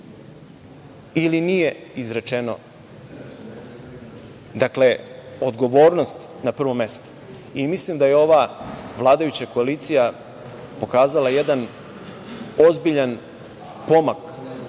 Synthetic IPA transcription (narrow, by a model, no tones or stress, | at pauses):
ilinije̞izɾe̞t͡ʃeno̞̰ | d̪akle̞od̪ɡo̞ʋo̞ːɾno̞st̪ | napr̩ʋo̞mːe̞st̪o̥ | imislimd̪ajeo̞ʋaʋlˠaːd̪ajut͡ɕako̞aliːt̪sija | po̞kaːzalajed̪an | ozbiʎan | po̞mak